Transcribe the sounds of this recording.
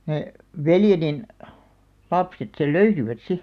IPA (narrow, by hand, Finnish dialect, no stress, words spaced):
neh̆ ʋeljenin lɑpset sel løysiʋæt si